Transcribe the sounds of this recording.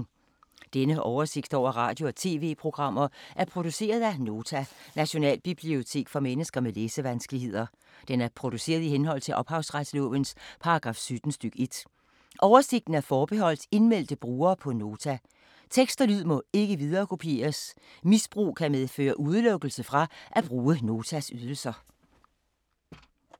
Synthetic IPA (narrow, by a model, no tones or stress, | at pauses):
d̥enəʔɒʊɐse̝ɡ̥d̥ɒʊ̰ɐʁɑ̈ːd̥jo̝ɒ̽t͡sʰe̝ːʋe̝̰ːpʰʁo̝ɡ̥ʁɑ̈m̰ɐʔæɐpʰʁo̝d̥use̝̰ːɐð̞ˠæno̝ːt͡sʰænæɕo̝nɛ̰ːlb̥ib̥lio̝t͡sʰe̝̰ːɡ̥fɒ̽menəsɡ̥ɐmeleːsəʋænsɡ̥əlihe̝ð̰ˠɐ | d̥enæɐpʰʁo̝d̥use̝̰ːɐð̞ˠihenɦɒ̽l̰t͡sʰe̝lʔɒ̽b̥hɑ̈ʊsʁad̥slɔ̰̽ːʋənspʰɑ̈ɑ̈ɡ̥ʁɑ̈ːfsyd̥n̩sd̥yɡ̥əe̝d̥ | ʔɒʊɐse̝ɡ̥̚d̥n̩æɐfɒːb̥e̝ɦɒ̽l̰d̥e̝nmel̰d̥əb̥ʁuːɐːpʰɒ̽no̝ːt͡sʰæ | t͡sʰeɡ̥sd̥ɐlyð̰ˠmɔ̽e̝ɡ̥əʋið̞ˠɐːkʰo̝pʰe̝̰ːɐs | misb̥ʁṵːkʰæmeð̞ˠfø̰ːɐʔuð̞ˠlɔ̽ɡ̥l̩səfʁɑ̈ʔæb̥ʁuːəno̝ːt͡sʰæsyð̞ˠl̩sɐ